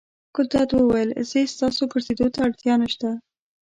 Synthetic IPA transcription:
kʊt̪at̪wəwajəlzest̪ɑsoɡəɾsed̪ot̪aaɽt̪jɑnaʃt̪a

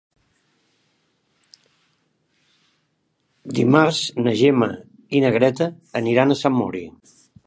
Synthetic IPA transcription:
d̪imaɾz̥nəʒɛmə | inəɣɾɛt̪əː | niɾanəsamːɔ̰ɾḭ

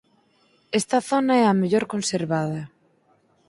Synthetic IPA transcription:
est̪ɐθonaɛameʎoɾkonseɾβaðɐ

